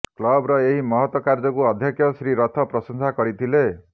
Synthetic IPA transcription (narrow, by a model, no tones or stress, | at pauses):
klɔbɾɔeɦimɔɦɔt̪wɔkaɾd͡ʒɔkuɔd̪ʱjɔkʰjɔsɾiɾɔt̪ʰɔpɾɔsɔnsakɔɾit̪ʰile